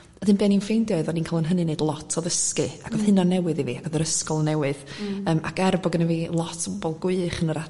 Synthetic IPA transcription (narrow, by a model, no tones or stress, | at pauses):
ɔd̥ɨnbiːaninfejndjɔɨðɔniːnkʰalˠənɦənɨnejdlˠɔtʰɔðəskɨaɡ̥ɔðhɨnɔnɛwɨðiviaɡɔðəɾəskɔlˠnɛwɨðəːmʔa̰kɛrbɔɡənəvilˠɔtʰɔb̥ɔbɔlˠɡwɪχənəɾa